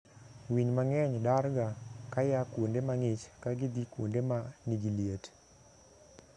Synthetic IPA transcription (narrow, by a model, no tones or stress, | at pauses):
wiɲmaŋɛɲdarɡakajakwondemaŋɪt͡ʃkaɡid̪ikwondemaniɡiliet